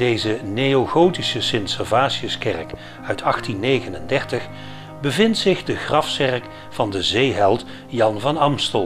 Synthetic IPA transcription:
d̥ejzənejoχowtisəsɪnsɛɹvaːsiəskɛrk | œɥtʰɑχtinːejɣənəndɛɹtəχ | bəvɪntsɪχdəχrɑfsɛrk | fɑndəzejɦɛlˠt | jɑnvɑnɑmstəlˠ

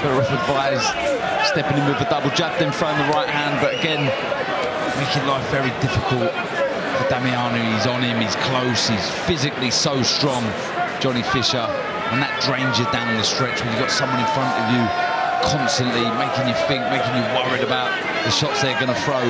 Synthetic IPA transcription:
b̥ɛɹɔfəbaɪz̥ | stɛpɪ̃ŋɪ̃mɪvədʌbl̩ˠd͡ʒʌdɨ̃ɱfɹəʊə̃nðəɹaɪʔ̚hæ̃nd̚bʌɾəɡɛ̃n | meɪkɪ̃ŋlaɪfvɛɹidɪfɪkəlˠt̚ | fədamiɑːnjʉizn̩ɪ̃miz̥kʰl̥oʊshiz̥fɪzɪklisəʊstɹ̥ɒ̃ŋ̥ | d͡ʒɒñifɪʃə | ə̃nðət̚d̥ɹẽɪ̃nd͡ʒədãʊñn̩ðəstɹ̥ɛt͡ʃwəljɨɡɒtsʌ̃mwʌ̃ñɪ̃nfɹʌ̃ntəvjə | kʰɒ̃nstə̃nʔlimeɪkɪ̃ŋjəθɪ̃ŋk̚meɪkɪ̃ŋjəwʌɹiɾəbaʊʔ | ðəʃɒtsðəəɡʌñəfɹəʊ

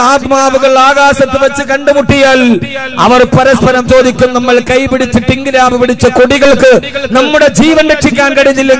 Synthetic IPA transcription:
aːt̪maːʋuɣɐɭaːɣaːsɐt̪ːɨʋɐt͡ɕːɨkɐɳɖɨmuʈːijaːɭ | ɐ̰ʋɐrpɐɾɐspɐɾɐmt͡ɕo̞ːd̪ikʲːumnɐmːɐɭkɐjpiɽit͡ɕːɨʈiŋɡɨɾaːbɐpiɽit͡ɕːɐkoɽiɣɐɭkɨnɐmːuɽe̞d͡ʑiːʋɐnɾeʈʂikʲːaːnkɐɽiɲːilːɐ

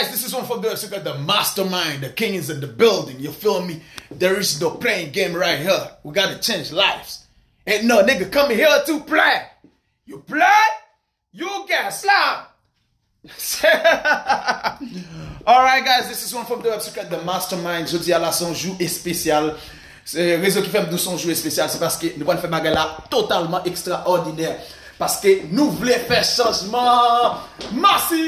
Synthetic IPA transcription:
aɪzðɪsɪzwʌ̃nfɔduɛsukɛt̪̚ðəmastə˞mãɪ̃nðəkɪ̃ŋzɨ̃nðəbɪlˠdɪ̃ŋjɨlfɪlˠmiðəɹɪznoʊpʰleɪɪ̃ŋɡẽɪ̃mɹaɪt̚ɦiɹwiɡɑnɨt͡ʃẽɪ̃nd͡ʒlaɪfs | ɨ̃nːoʊnekɨkʌ̃mĩhituple | juple | jukɛ̃slap̚ | s | ɔlɹajt̚ɡajzd̪ɪsizwʌ̃nfɹɔ̃md̪əwɛbsi̥kɹɛt̪̚d̪əmastə˞mãɪ̃nʒod͡zialasɔ̃ʒuespesjal | seʁezɔ̃kifɛm̩d̪ũsɔ̃ʒuespesjalsɛpaskenũpwanfɛbaɡajlat̪ot̪almɑ̃ʔekst̪ʁaʔɔʁdinɛʁ | paskenũvulɛfɛʃɑ̃ʒmɑ̃ | masi

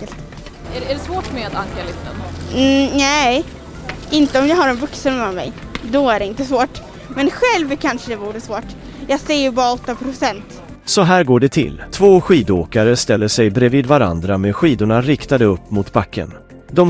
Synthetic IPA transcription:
əlt̪ | ææɖɛsvoːʈmeat̪aŋkalɪft̪ən | nɛj | ɪnt̪əɔmjɑːɡhaɾɛnvɵksənɛanmɛ̰jd̪ɔæɖɛɪnt̪əsvoːʈ | mɛnɧɛlvkʰanʂəd̪ɛbuːɾəsvoːʈ | jɑːɡseːjɵbɑːɾaɔt̪ːapʰɾʊsɛnt̪ | sɔɦæːɾɡoːɖɛt̪ʰɪ̰lt̪ʰvoːɧiːd̪oːkaɾəst̪ɛlːəʂɛjbɾɛviːd̪vaɾa̰nd̪ɾamɛɧiːd̪ʊɳaɾɪkt̪ad̪əɵpːmʊt̪bakʰːə̰n | d̪ɔm

